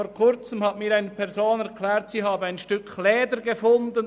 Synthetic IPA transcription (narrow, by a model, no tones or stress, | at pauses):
oːɾkʰʊɾt͡səmhatmiːɾaɪnəpʰɛʁzoːnɛʁkʰlɛːʁtsiːhaːbəaɪnʃtʏkʰlɛːdəɾɡefʊndən